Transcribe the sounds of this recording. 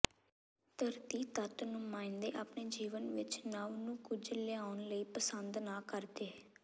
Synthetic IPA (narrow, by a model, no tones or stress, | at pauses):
t̪əɾt̪iːt̪ət̪nũːmãːɪ̃nd̪eːʔaːpneːd͡ʒiːʋənʋɪt͡ʃnaːunũːkʊd͡ʒlɪaːʊnləiːpəsənd̪naːkəɾd̪eː